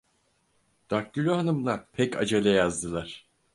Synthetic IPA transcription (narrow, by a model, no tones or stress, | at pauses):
d̪̥akːylʲyɦanɯmlˠapʰɛca̰d͡ʒalʲajazd̪ɯlˠaɾ̥